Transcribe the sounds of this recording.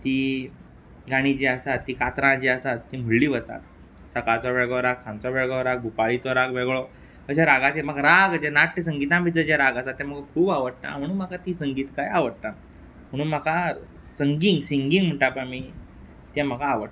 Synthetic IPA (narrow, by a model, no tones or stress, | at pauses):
t̪i | ɡaɽ̃id͡ʑiəsat̪ːiːkat̪ɾãd͡ʑiəsat̪ːiːm̤əɭliːʋət̪a̰t̪ | səkat͡sɔʋeɭɡɭɔɾaɡsãnt͡sɔʋeɡɭɔɾaɡ̚bʱupaɭit͡sɔɾaɡʋeɡɭɔ | əɕaɾaɡat͡ɕem̤əɡɾaɡd͡ʑenaʈːisə̃ŋɡit̪ãmbit͡səd͡ʑaɾaɡasat̪ːɛ̃məɡkʰuːbaʋəɽt̪a̰m̤əɽ̃uːnm̤akat̪iːsəŋɡiːt̪kajaʋəɽt̪a | m̤əɽ̃ũːnm̤aka | səŋɡiŋɡsiŋɡĩŋɡm̤əɳʈapəmiː | t̪ɛ̃m̤əkaːʋəɽ